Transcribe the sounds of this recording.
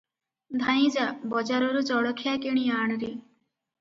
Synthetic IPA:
d̪ʱajĩd͡ʒabɔd͡ʒaɾɔɾud͡ʒɔɽɔkʰijakeɽ̃iaːɳ̃ɾi

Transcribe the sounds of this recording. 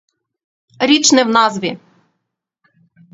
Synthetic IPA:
ɾʲit͡ʃnɛwnɑzʋʲi

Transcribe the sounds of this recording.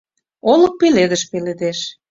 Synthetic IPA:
olə̆k̚peled̪əʃpeled̪eʃ

